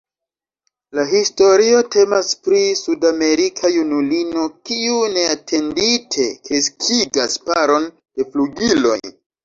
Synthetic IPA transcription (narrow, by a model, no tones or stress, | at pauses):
laɦisto̞ɾio̞te̞maspɾisudame̞ɾikʰajunulino̞kiune̞atʰe̞nditʰe̞keskʰiɡaspaɾo̞n | d̥e̞fluɡilo̞̰j